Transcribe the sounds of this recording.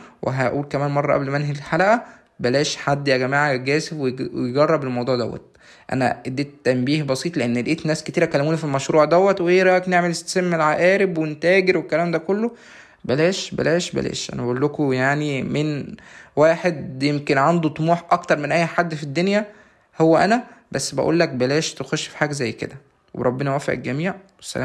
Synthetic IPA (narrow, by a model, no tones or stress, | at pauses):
wʔḛɦæʔuːlkæmæːnmɑrˤːɑʔæblmæænɦæelħalæʔæ | bælæːʃħad̪ːjæɡæmaːʕɡæːseweejɡɑrˤːɑbelmɑwd̪ˤuːʕd̪æ̰wːæ̰t̪̚ | ʔæ̰næ̰ʔed̪ːeːt̪ːæmbiːhbɑsiːt̪ˤleʔenːelʔeːt̪næːsket̪iːɾækælːæmuːnæfilmæʃɾuːʕd̪æwːæt̪weʔeːɾˤɑkneʕmelest̪æ̥semːelʕaʔæːɾebwent̪æːɡeɾwekːælæːmd̪ækolːo | bælæːʃbæ̰læːʃbæ̰læ̰ːʃʔæ̰næbæʔulːokojaʕnimenwæːħed̪jemkenʕand̪ut̪ˤomuːħʔɑkt̪ɑɾˤmenʔæjːħad̪ːfid̪ːonjæ | howːæʔænæbæsːbæ̰ʔṵːlːæk̚bælæːʃt̪exoʃːfi̥ħaːɡæzæjːkḛd̪æ | weɾˤɑbːenɑwæːfḛʔḛlɡæmiːʕwesːæ̰æ̰m